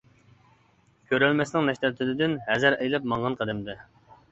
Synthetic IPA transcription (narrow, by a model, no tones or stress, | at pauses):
kʲʰøɾɛlmɛsnɪŋnɛʃt̪ɛt̪ʰːɪd̪ɪd̪ɪnhɛzæɾɛjlɛp̚mɑɴʁɑnqʰəd̪ɛmd̪ɛ